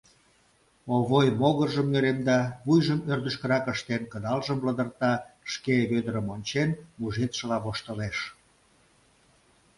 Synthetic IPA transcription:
oβojmoɣərʒəmnøɾemd̪ɑβujʒəmørd̪ə̆ʃkəɾɑkəʃt̪enkəd̪ɑlʒəmbləd̪ərt̪ɑʃkeβød̪əɾəmonʲt͡ɕenmuʒet̪ʃə̆lɑβoʃt̪əleʃ

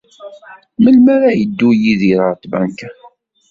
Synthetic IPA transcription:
məlmaɾajəd̪ːujiðiɾˤəɾt̪bæ̰ŋk

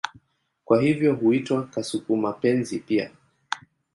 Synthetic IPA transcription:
kwaɦivjɔɦuitwakasukumapɛnzipia̰

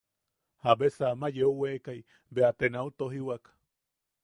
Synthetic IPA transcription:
habesamajeuwekaj | beat̪enaut̪oɦiwak

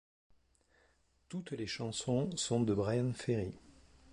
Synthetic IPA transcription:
t̪ut̪leʃɑ̃sɔ̃sɔ̃d̪əbʁajãnfeʁi

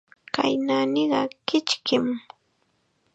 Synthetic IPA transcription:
ka̰jnaːnɪɢɑkɪt͡ʃkɪm

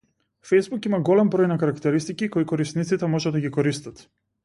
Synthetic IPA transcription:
fejzbukimaɡɔlɛmbɾɔjnakaɾakt̪ɛɾist̪ikikɔikɔɾist̪nit̪sit̪ɛmɔʒɛd̪aɡikɔɾist̪at̪

